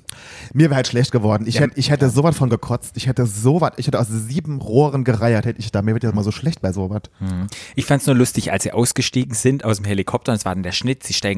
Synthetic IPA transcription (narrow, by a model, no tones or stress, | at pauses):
miːɐɛːɐhaltʃlɛçt̚ɡ̥əvɔɐdn̩ɪçhɛtəɪçhɛtəzoːvatfɔnɡəkʰɔt͡stɪçhɛtəzoːvatʔɪçhɛtəʔaʊsziːbm̩ʁoːʁənɡəʁaɪɐthɛtəɪçd̥aːmiːɐvɪɐtjasɪmazoːʃlɛçt̚b̥aɪzoːvatʔɪçfantsnuːɐlʊstɪça̰lsz̥ḭːʔaʊsɡ̥əʃtiːɡŋ̩zɪntʔaʊsdemhelikʰɔp̚tʰɐnsv̥aːɐdɛndeːɐʃnɪtz̥iːʃtaɪŋ